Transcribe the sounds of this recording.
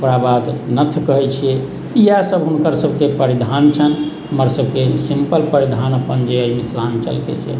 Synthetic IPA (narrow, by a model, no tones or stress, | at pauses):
pɾabad̪nət̪ʰkəɦɛt͡ʃʰijɛ | k̪ijasəbɦunkəɾsəbʱkepəɾid̪ʱant͡ʃʰən | ɦəməɾsəbʱkesimpəlpəɾid̪ʱanəpənd͡ʒeəimit̪ʰlant͡ʃə̰lkḛsḛ